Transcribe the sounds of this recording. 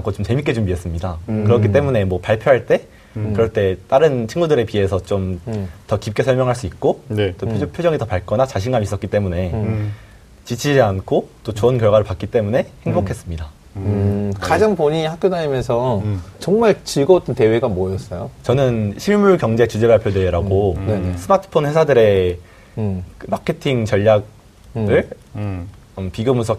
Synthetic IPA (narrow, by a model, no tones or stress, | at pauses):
akʰot͡ɕomt͡ɕe̞mitk͈e̞d͡ʑomies͈ɯmɲidakɯɾʌk̬͈ʰit̬͈e̞mune̞mwʌpaɭpʰjoɦaɭt͈e̞ | kɯɾʌɭt͈e̞t͈aɾɯnt͡ɕʰinŋɡudɯɾe̞pie̞sʰʌt͡ɕomtʌkip̚k͈e̞sʰʌɭmjʌŋɦaɭs͈uik̚k͈ont͈opʰpʰjod͡ʑʌŋitʌpaɭk͈ʌnat͡ɕaɕʰinɡamis͈ʌk͈it͈e̞mune̞ | t͡ɕit͡ɕʰid͡ʑiankʰot͈ot͡ɕoʌnkjʌɭɡwaɾɯɭpak͈it͈e̞mune̞heŋbokʰe̞s͈ɯmɲida | kad͡ʑaŋpoɲiɲhak̚k͈jodaɲimjʌnsʰʌt͡ɕʌŋmaɭt͡ɕiɭɡʌot͈ʌnte̞we̞ɡamojʌs͈ʌjot͡ɕʌnɯnɕʰiɭmuɭkjʌŋd͡ʑe̞t͡ɕud͡ʑe̞baɭpʰjodweɾaɡonesʰɯmatʰɯ̥pʰonɸwe̞sʰadɯɾe̞ | kɯmakʰe̞tʰiŋt͡ɕʌʎːak̚ | ɯɭ | piɡjomusʰʌ